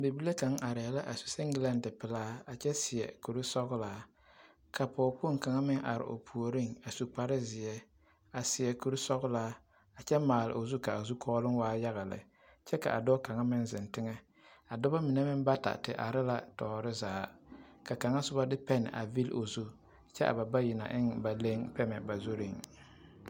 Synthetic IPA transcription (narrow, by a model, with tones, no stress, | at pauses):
be˨bi˦la˦ka˨ŋa˨ɾɪ˨ɛ˨la˦ʔa˨su̥˨sɛ˦ŋɡɪ˦la˦n˦dɪ˨pɪ˨laː˦a˨t͡ʃɛ˦sɪ˨ɛ̰˨ku˨ɾi˦sɔ˦ɣʊ˦laː˦ | kʰa˨pɔː˨po˦ŋka˨ŋa˦mɪ˦ŋʔa̰˨ɾɪ̰˨ʔo̰˨pʰu˨o˨ɾi˦ŋa˨su˨k͡pa˨ɾɪ˦zɪ˨ɛ˦ | a˨sɪ˨jɛ˨ku˨ɾi˦sɔ˦ɣʊ˦laː˨˦ | a˨t͡ʃɛ˦maː˨lɪ̰˨ʔo˨zu˦ka˨a˨zu˦kʰɔː˦lɪ˦ŋwaː˦ja˦ɣa˨lɪ̰˨ | t͡ʃɛ˦ka̰˨ʔa̰˨dɔ˦ka˨ŋa˦mɪ˦nzɪ˨ntɪ˦ŋɛ˦ | a˨dɔ˦ba˦mɪ˨nɛ˦mɪ˦nba˦ta̰˨tɪ̰˨ʔa̰˨ɾɪ˦la˦tɔː˨ɾɪ˦zaː˨˦ka˨ka˨ŋa˦sʊ˦ba˦dɪ˦pɛ˦nɪ̰˨ʔa̰˨vi˦lo˨zu˦ | t͡ʃɛ˦ʔa̰˨ba˨ba˦ji˨na̰˨ʔɪ˦ŋba˨le˦ŋpɛ˦mɛ˨ba˨zu˦ɾi˦ŋ